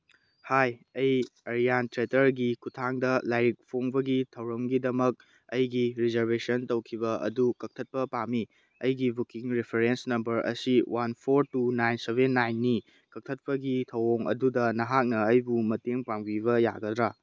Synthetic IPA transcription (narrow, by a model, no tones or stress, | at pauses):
hajɐjɐɾijantɾetɐɾɡikʰutʰaŋdɐlajɾik̚pʰoŋbɐɡitʰɐwɾɐmɡidɐmɐk̚ | ɐjɡiɾizɐɾbesɐntɐwkʰibɐʔɐ̰dukɐk̚tʰɐt̚pɐpami | ɐjɡibukiŋɾipʰeɾensnɐmbɐɾʔɐ̰siwʔanpʰoɾtunajnsebenːajnːi | kɐk̚tʰɐt̚pɐɡitʰɐwoŋɐ̰dudɐnɐɦak̚nɐːjbumɐteŋpaŋbibɐja̰ɡɐdɾa